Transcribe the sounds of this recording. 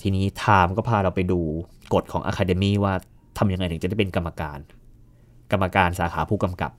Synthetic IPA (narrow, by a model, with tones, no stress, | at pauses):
t̪ʰiː˧niː˦˥t̪ʰaː˧mkɔː˥˩pʰaː˧ɾa˧wpa˧jduː˧ko˨˩t̪̚kʰɔː˩˦ŋʔa̰ː˧kʰaː˧de˧miː˥˩waː˥˩ | t̪ʰa˧mja˧ŋa˧jt̪ʰɯ˩˦t͡ɕa˨˦da˥˩jpe˧nka˧mːa˧kaː˧n | ka˧mːa˧kaː˧nsaː˩˦xʰaː˩˦pʰuː˥˩ka˧mka̰˨˩p̚